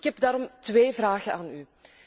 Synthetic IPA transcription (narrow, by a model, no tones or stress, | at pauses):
kɦɛbdaːɾɔmtʋeːvraːɣənaːny